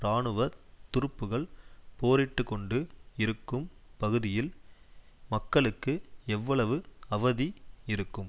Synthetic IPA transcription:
ɾaːɳɯʋɐt̪ʊɾɯpːɯɣɐɭpoːɾɪʈːɯkːɔɳɖɯɪɾɯkːɯmpɐɣɯðɪjɪl | mɐkːɐɭɯkːɯɛʋːɐɭɐʋɯɐʋɐðiɪɾɯkːɯm

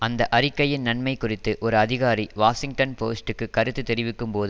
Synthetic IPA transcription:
ɐnd̪ɐʔɐrɪkːɐjɪnnɐnmɐɪkʊrɪt̪ːɯʔɔɾɯɐðɪɣaːɾiʋaːsɪŋɡʈɐnpoːsʈɯkːɯkɐɾɯt̪ːɯt̪ːɛɾɪʋɪkːɯmpoːðɯ

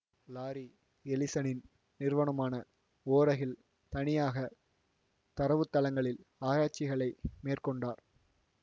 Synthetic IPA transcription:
laːɾi | ɛlɪsɐnɪn | nɪɾʋɐnɐmaːnɐ | oːɾɐɣɪl | t̪ɐnɪjaːɣɐ | t̪ɐɾɐʋɯt̪ːɐlɐŋɡɐɭɪlaːɾaːʈ̚t͡ʃɪɣɐɭɐɪmeːrkɔɳɖaːɾ

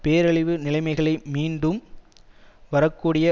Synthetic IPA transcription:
peːɾɐɭɪʋɯnɪlɐɪmɐɪɣɐɭɐɪmiːnɖɯm | ʋɐɾɐkːuːɽɪjɐ

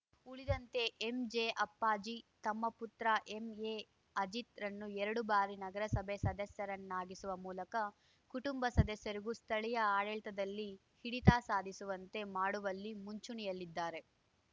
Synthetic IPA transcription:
uɭid̪ɐnt̪e̞ʔːmd͡ʒeʔɐpːaːd͡ʒit̪ɐmːɐput̪ɾɐʔeme | ɐd͡ʒit̪ɾɐnːuɛɾɐɽubaːɾinɐɡɐɾɐsɐbʱesɐd̪ɐsjɐɾɐnːaːɡisuʋɐmuːlɐkɐ | kuʈumbɐsɐd̪ɐsjɐɾiɡust̪ʰɐɭijɐaːɭɛɭt̪ɐd̪ɐlːi | hiɽit̪aːsaːd̪ʱisuʋɐnt̪e̞maːɽuʋɐlːimuɲt͡ʃuɳijɐlːid̪ːaːɾe̞

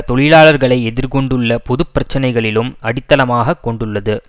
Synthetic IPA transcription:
t̪ɔɭɪlaːɭɐɾɣɐɭɐɪɛðɪɾkɔɳɖɯɭːɐpɔðɯpːɾɐt͡ʃːɐnɐɪɣɐɭɪlɯmɐɽɪt̪ːɐlɐmaːɣɐkːɔɳɖɯɭːɐðɯ

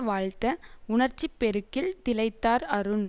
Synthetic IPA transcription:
ʋaːɻt̪ɐʊɳɐɾt͡ʃːipːɛɾɯkːɪlt̪ɪlɐɪt̪ːaːɾɐɾɯn

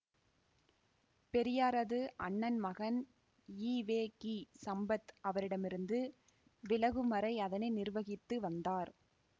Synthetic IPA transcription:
pɛɾɪjaːɾɐðɯʔɐɳːɐnmɐɣɐn | iːʋeːkisɐmbɐt̪ɐʋɐɾɪɽɐmɪɾɯnd̪ɯ | ʋɪlɐɣɯmɐɾɐɪɐðɐnɐɪnɪrʋɐɣɪt̪ːɯʋɐnd̪aːɾ

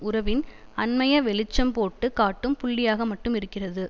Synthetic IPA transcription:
ʊɾɐʋɪnɐnmɐjɐʋɛɭɪt͡ʃːɐmpoːʈːɯkaːʈːɯmpʊɭːɪjaːɣɐmɐʈːɯmɪɾɯkːɪrɐðɯ

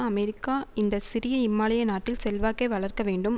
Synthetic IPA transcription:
ɐmɛɾɪkːaːɪnd̪ɐsɪɾɪjɐɪmːaːlɐjɐnaːʈːɪlsɛlʋaːkːɐɪʋɐɭɐrkɐʋeːɳɖɯm

